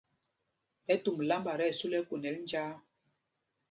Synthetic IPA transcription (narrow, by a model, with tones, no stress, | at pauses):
pɛ˦tu˨m˨la˦mba˨ɾɛ˦˨su˦lɛ˦ku˨nɛ˨˦ln˦d͡ʒaː˦